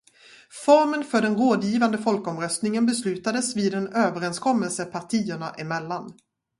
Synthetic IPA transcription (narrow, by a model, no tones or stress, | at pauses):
fɔɾmənfœɖɛnɾoːd̪jiːvand̪əfɔlkɔmɾœst̪nɪŋənbɛslʉ̟ːt̪ad̪əsviːd̪ɛnøːvəɾɛnskʰɔmːəlsəpʰaʈʰiːəɳaʔɪmɛlːan